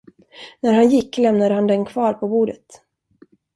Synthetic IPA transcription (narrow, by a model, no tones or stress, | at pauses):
næɾhanjɪkːlɛmnad̪əhand̪ɛnkʰvɑːɾpʰɔbuːɖət̪